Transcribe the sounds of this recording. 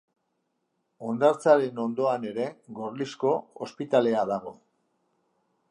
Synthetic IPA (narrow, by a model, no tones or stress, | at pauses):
o̞nd̪aɾt͡saɾe̞no̞nd̪o̞ane̞ɾe̞ɣo̞ɾlisko̞ospit̪ale̞aðaɣ̞o̞